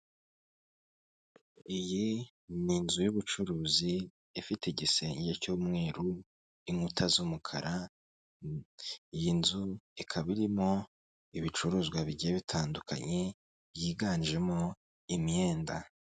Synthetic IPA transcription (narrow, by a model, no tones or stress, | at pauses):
iji | ninzujuβut͡ʃuɾuːziː | fiteɟise̞ːɲɟecuːmŋe̞ːɾu | iŋutʰazumukʰa̰ɾʔa | ijinzuikʰaβiɾimo̞ | iβit͡ʃuɾuːzɡwaβiɟijeβitʰaːndukʰa̰ɲe̞ | jiːɡaːnʒe̞mo̞ | imje̞ːnda